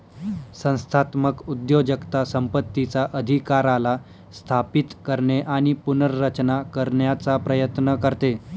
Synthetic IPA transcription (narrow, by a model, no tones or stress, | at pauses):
sə̃w̃st̪ʰat̪məkud̪jod͡ʑəkt̪asəmpət̪ːit͡saʔəd̪ʱikaɾala | st̪ʰapit̪kəɾɳeʔaɽ̃ipunəɾːət͡ɕnakəɾɳjat͡sapɾəjət̪nəkəɾt̪e